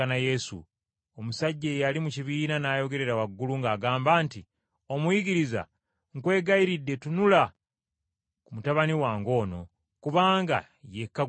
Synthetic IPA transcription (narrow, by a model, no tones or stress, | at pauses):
naje̞sṵ | omusaɟːe̞jalimuciβiːnanaːjo̞ɡe̞ɾe̞ɾawaɡːuluŋɡaːɡaːmbaːnti | o̞mwiɡiɾiza̰ | ŋkwe̞ːɡaiɾidːe̞tunula | kumutaβaniwaːŋɡo̞ːno̞̰ | kuβaːŋɡa̰ | je̞kːa